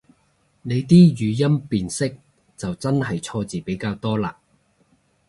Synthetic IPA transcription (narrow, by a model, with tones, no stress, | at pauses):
ne˨˧jt̪iː˥jyː˨˧jɐ˥mpiː˨nsɪ˥k̚ | t͡sɐ˨wt͡sɐ˥nɦɐ˨jt͡sʰɔː˧t͡siː˨˩pe˨˥jkaː˧wt̪ɔː˥laː˧